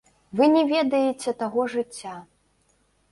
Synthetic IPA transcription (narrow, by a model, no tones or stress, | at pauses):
vɨnʲɛvʲɛd̪ɐjet͡sʲɛt̪aɣɔʐɨt͡sʲːa